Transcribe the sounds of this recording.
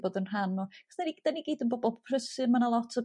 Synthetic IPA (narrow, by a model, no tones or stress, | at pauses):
boːdənr̥anɔχə̥snaniɡəd̥aniɡiːdənboːbɔlˠpʰrəsɨmanalˠɔtʰə